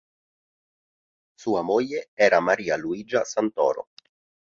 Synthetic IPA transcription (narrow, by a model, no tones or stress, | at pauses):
suːamoʎːeɛːɾamaɾiːaluiːd͡ʒasant̪ɔ̰ːɾo̰